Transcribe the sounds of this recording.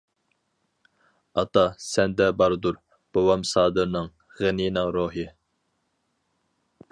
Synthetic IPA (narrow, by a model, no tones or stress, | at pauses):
ɑt̪ɑsɛnd̪ɛbɑɾd̪uɾ | b̥owɑmsɑːd̪ɨɾnɨŋ | ʁeninɨŋɾoːɦɨ